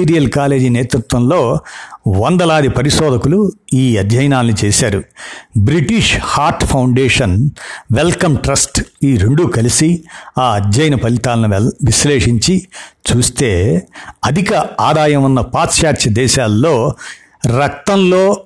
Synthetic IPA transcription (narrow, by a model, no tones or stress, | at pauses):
iːɾijɐlkaːle̞ːd͡ʒineːt̪ɾut̪ʋɐnlo̞ːʋɐnd̪ɐlaːd̪ipɐɾiʃɔːd̪ʱɐkuluiːɐd̪ʱjɐjɐnaːnːit͡ʃeːsaːɾubɾiʈiʂhaːɾʈpʰɐwɳɖeːʂɐnʋelkɐmʈɾɐsʈiːɾeɳɖukɐlisiaːɐd̪jɐjɐnɐpɐlit̪aːlɐnuʋisleːʂiɲt͡ʃit͡ʃuːst̪e̞ːɐd̪ʱikɐaːd̪aːjɐmunːɐpaːt̪ʃaːt͡ʃɐd̪ɛːʃaːlːo̞ː | ɾɐk̚t̪ɐmlo̞ː